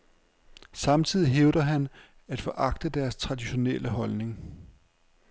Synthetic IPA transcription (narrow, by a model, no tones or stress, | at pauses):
sɑ̈mt͡sʰið̰ˠiɦeʊd̥ɐɦæn | æd̥fɒ̽ʔɑ̈ɡ̥̚d̥əd̥æɐst͡sʰʁɑ̈d̥iɕo̝nelʔəɦɒ̽lne̝ŋ